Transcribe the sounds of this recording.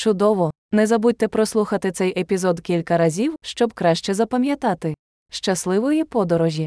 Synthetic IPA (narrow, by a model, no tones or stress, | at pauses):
t͡ʃʊd̪ɔʋɔ | nɛzɐbud̚ʲt̪ɛpɾɔslˠuxɐt̪ɪt̪sɛjʔepʲizɔd̪kʲilʲkɐɾɐzʲiwʃt͡ʃɔbkɾaʃt͡ʃɛzɐpɐmʲjɐt̪ɑt̪ɪ | ʃt͡ʃɐslˠɪʋɔjipɔd̪ɔɾɔʒʲji